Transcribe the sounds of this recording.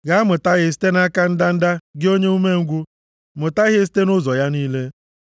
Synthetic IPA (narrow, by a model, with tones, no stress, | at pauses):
ɡa˦mʊ˨ta˦ɣɪ˨˦s̬i̥˦te˦na˦ka˦n̩˦da˦n̩˦da˦ɡɪ˦o˦ɲe˦u˦me˦ŋ̩˦ɡʷu˦ | mʊ˨ta˦ɣɪ˦s̬i̥˦te˦nʊ˦zɔ˨ja˦niː˦le˦